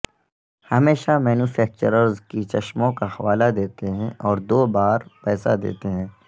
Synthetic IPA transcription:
hɐmeːʃamɛːnuːfʰɛːk̚t͡ʃəɾəɾzkit͡ʃɐʃmõkaxɐʋaːlad̪eːt̪eɦɛ̃ʔɔːɾd̪oːbaːɾpɛːsa̰d̪ḛːt̪eɦɛ̃ː

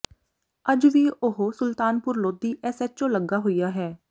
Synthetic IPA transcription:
əd͡ʒʋiːʔʊɦosʊlt̪aːnpʊɾloːd̪iːʔɛːsɛːt͡ʃõːləɡaːɦoiːjaːɦɛː

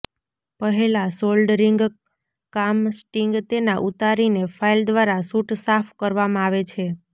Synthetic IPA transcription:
pəɦelasolɖɾiŋɡ | kamsʈiŋɡt̪enaʔut̪aɾinefʰaild̪ʋaɾasuʈsafʰkəɾʋamãaʋet͡ʃʰe

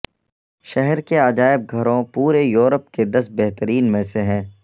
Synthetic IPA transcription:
ʃɛɦɛɾkeaːd͡ʒaːɪb̚ɡʱɐɾõpuːɾejuːɾəp̚ked̪ɐsbɛɦt̪əɾiːnmẽseɦɛ̃ː

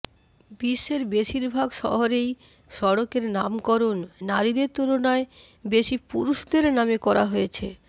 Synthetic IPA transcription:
biʃːeɾbeʃiɾbʱaɡʃɔ̰ɦoɾej | ʃɔɽokeɾnamkɔɾonːaɾid̪eɾt̪uɾonaebeʃipṵɾuʃd̪eɾnamekɔɾaɦojet͡ɕʰe

